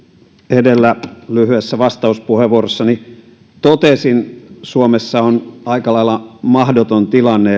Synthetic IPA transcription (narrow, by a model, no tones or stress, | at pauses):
edelːælyhyesːæʋɑst̪ɑuspuheʋuorosːɑni | t̪ot̪esinsuomesːɑonɑikɑlɑilːˑɑmɑhdot̪ont̪ilɑnːe